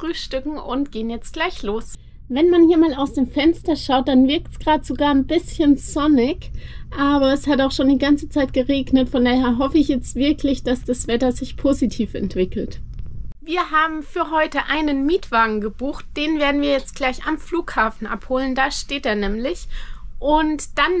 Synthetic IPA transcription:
fʁ̥yːʃtʏkŋ̩ʊntɡ̥eːənjɛt͡st̚ɡ̥laɪçloːs | vɛnmanhiːɐmaːlaʊsd̥eːmfɛnstɐʃaʊt̚d̥anvɪɐktsɡ̥ʁaːdəz̥oɡaːɐnbɪsçənz̥ɔnɪkʔaːbɐɛshataʊxʃoːndiːɡant͡sət͡saɪt̚ɡ̥əʁeːɡnətfɔndaːheːɐɦɔfəɪçjɛt͡stv̥ɪɐkʰlɪçd̥asd̥asv̥ɛtɐzɪçpʰoːzitʰiːfɛ̰ntv̥ɪkl̩tviːɐɦaːbm̩fyːɐɦɔʏtəʔaɪnənmiːtv̥aːɡŋ̩ɡəbuːxt̚d̥eːnveːɐdn̩viːɐjɛt͡st̚ɡ̥laɪçamfluːkhaːfn̩ʔa̰phoːləndaːʃteːteːɐnɛːmlɪçʔʊntd̥an

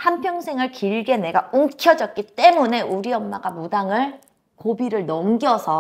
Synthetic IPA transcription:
hampʰjʌŋsʰeŋɯɭkiɭɡe̞ne̞ɡauŋkʰjʌd͡ʑʌt̚k͈it͈e̞mune̞ʔuɾiʌmːaɡamudaŋɯɭ | kobiɾɯɭnʌmɡjʌsʰʌ

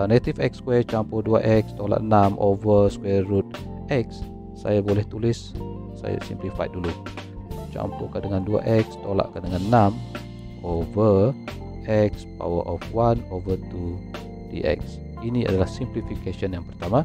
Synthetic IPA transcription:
net̪ifɛkskwɛt͡ʃampodua̰ʔɛk̚st̪ola̰ʔnamʔovəskwɛɾut̪̚ | ʔɛk̚sː | a̰jabolɛht̪ulɪsː | a̰ja̰simplifaj̰dulu | t͡ʃa̰mpokadəŋandua̰ʔɛk̚st̪ola̰ʔkadəŋannam | ovə | ɛk̚spa̰wə̰ʔɔfwanovət̪u | dḭʔɛ̰k̚s | inia̰dalahsimplifikeʃənjaŋpərt̪ama

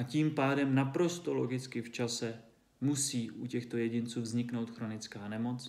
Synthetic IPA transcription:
aciːmpaːdɛmnapɾo̞st̪o̞lo̞ɡɪt͡skɪft͡ʃasɛ | musiːʔucɛxt̪o̞jɛɟɪnt͡suːvzɲɪkno̞wt̪xɾo̞nɪt͡skaːnɛmo̞t͡s

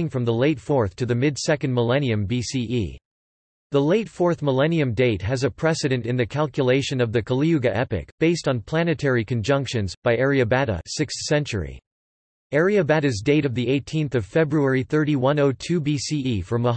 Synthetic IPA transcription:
ɪ̃ŋfɹʌ̃mðəleɪtfɔɹθtʰɨðɨmɪdsɛkɨ̃n̩̚məlɛñiɨ̃mbisiʔḭ | ðəleɪtfɔɹθməlɛniɨ̃mdeɪt̚ɦɨzɨpʰɹ̥ɛsɨɾɨ̃ntɨ̃nðɨkʰælˠkjəleɪʃɨ̃nʌvðɨkʰəlˠiɡɨʔɛpɨ̰k̚b̥eɪstn̩pʰl̥æñɨtʰɛɹikɨ̃nd͡ʒʌ̃ŋkʃɨ̃nzb̥aɪɛɹiɨbæɾɨ̰sɪkssɛ̃nt͡ʃə̰˞ḭ | ɛɹiɨbæɾɨzdeɪɾʌvðieɪtʰĩnθʌv̥fɛbɹuɛɹiθɜ˞ɾiwʌ̃noʊtʰʉbisiifə˞mə

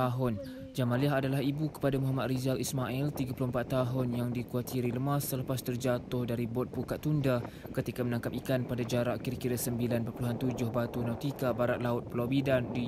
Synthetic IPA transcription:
aɦʊn | d͡ʒamãliaɦadalahibukə̥padamuɦamat̪rizalismaʔilt̪iɡapulʊəmpat̪ːaɦʊnjaŋdikuat̪ʰiɾiləmasːələpast̪ərd͡ʒat̪ʊhdaɾibɔt̪̚pukat̪ːunda | kət̪ikamənãŋkap̚ikanpadad͡ʒaɾaʔkiɾəkiɾasəmbilanpəpuluɦant̪ud͡ʒʊhbat̪unawt̪ikabaɾat̪̚laʊt̪̚pəlabidandi

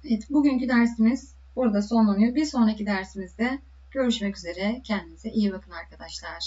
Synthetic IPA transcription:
evɛt̪buɟyɲcyd̪æɾsimiz̥ | buɾad̪aso̞nlˠanɯjobiɾso̞nɾacid̪æɾsimizd̪ɛ | ɟ̥ø̞ɾyʃmɛcyze̞ɾɛcʰɛnd̪imizɛʔijibakʰɯnaɾkʰad̪aʃlˠaɾ̥

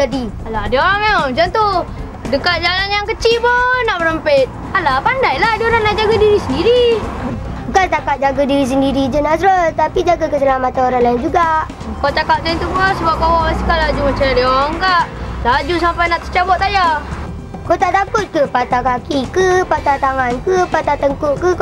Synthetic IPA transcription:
adialadioaŋomat͡ʃant̪u | dəkat̪̚d͡ʒalanjaŋkət͡ʃibɔnaʔbəɾəmpet̪̚ | alapandajladioɾaŋnaʔd͡ʒaɡadiɾisəndiɾi | bəkalt̪akat̚d͡ʒaɡadiɾis̬əndiɾid͡ʒənasɾət̪apid͡ʒaɡakəsəlamat̪anoɾanlaɪnd͡ʒuɡaʔ | kawt͡ʃ̪akaʔ̚saint̪ubasəbap̚kawaast̪i̥kalad͡ʒumat͡ʃajadiɔŋɡaʔlad͡ʒus̬ampajnaʔsə̥t͡ʃabɔaja | kot̪aʔt̪akʊt̪̚kəpat̪akakikəpat̪at̪aŋankəpat̪at̪əŋkoʔkə

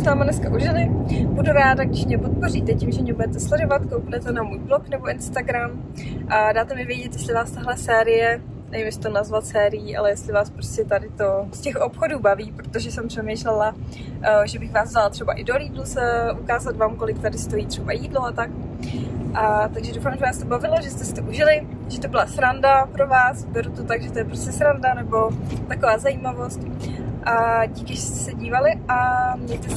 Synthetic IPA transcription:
snaːmanɛskaʔuʒɪlɪbuduɾaːdaɡ̚dɪʃmɲɛpot̪̚po̞riːt̪ɛcimʒɛmɲɛbudɛt̪ɛslɛdovat̪kowpmɛt̪onamuːjbloknɛbo̞ɪnst̪aɡɾam | ʔadaːt̪ɛmɪvjɛɟɛt̪jɛstlɪvaːst̪aɦlɛsɛːɾɪjɛ | nɛvɪmɛst̪onazvat̪sɛːɾɪjiːʔa̰lɛjɛst̪lɪvaːspɾoscɛt̪adɪt̪o̞scɛxʔo̞pxoduːbaviːpɾot̪o̞ʒɛsɛmpr̥ɛmejʃlɛla | ʒɛbɪxvaːzvzalat̪r̥ɛbaʔɪdoliːdlusʔukaːzat̪vaːmko̞lɪk̚t̪adɪst̪o̞jiːt̪r̝̥ɛbajiːdloat̪ak | ʔat̪aɡʒɛdowfaːmʒɛvaːst̪obavɪloʒɛst̪ɛsɪ̥t̪oʔuʒɪlɪ | ʒ̥ɛt̪o̞bɪlasɾandapɾo̞vaːsbɛɾot̪ot̪aɡʒɛt̪ojɛpɾoscɛsɾandanɛbo̞t̪akovaːzajiːmavo̞st̪ʔaɟikɪʒɛst̪ɛ̥sɛɟiːvalɪʔamɲɛjt̪ɛ

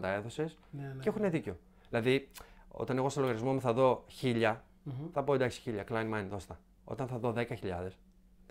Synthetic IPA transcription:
t̪ɐe̞ðo̞se̞s | eexuneðiceo̞ | ðilɐðio̰t̪ɐne̞ɣo̞steloɣɐɾjizmomuθɐðo̞çiʎɐ | θɐpo̞ed̪ɐçsi̥çiʎɐklɐjnmɐjnðo̞st̪ɐ | o̞̰t̪ɐnθɐðo̞ðe̞kɐçiʎɐðe̞s

